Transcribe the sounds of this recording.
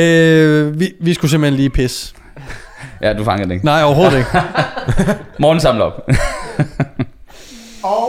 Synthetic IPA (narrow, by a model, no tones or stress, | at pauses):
øʋiʋisɡ̥usemb̥l̩henliːpʰes | jæd̥ufɑ̈ŋɐdeɡnɑ̈ɪ̰ɒʊɐɦo̝ːð̩ˠeɡ̥ | mɔːn̩sɑ̈mlɒ̽b̥